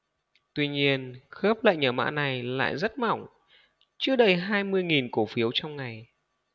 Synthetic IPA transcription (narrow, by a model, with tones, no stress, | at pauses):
t̪wi˧ɲi˧ənxəː˦˥p̚la̰ː˧˨jɲəː˨˩ma̰ː˧˥na˨˩jla̰ː˧˨jzə˦˥t̚mɔ̰˧˩wŋ͡m | t͡ɕɨ˧˥əɗə˧jɦaː˧jmɨ˧əjŋi˨˩nko˧˩fi˨˦əwt͡ɕɔ˧wŋ͡mŋa˨˩j